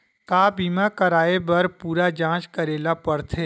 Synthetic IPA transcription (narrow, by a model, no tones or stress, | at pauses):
kaːbiːmakəɾaːebɐɾpuːɾad͡ʒãːt͡ʃkəɾeːlapəɾt̪ʰeː